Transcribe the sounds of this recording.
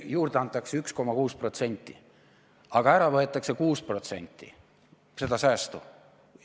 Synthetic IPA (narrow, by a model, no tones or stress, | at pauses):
juːrd̪̥eɑnt̪ːˑɑkseyksko̞mɑkuːspro̞t̪se̞nʲt̪ːˑḭ | ɑɡ̥ɑæɾɑvɤet̪ːˑɑkse̞kuːspro̞t̪se̞̰nʲt̪ːḭ | se̞d̪̥ɑsæːst̪u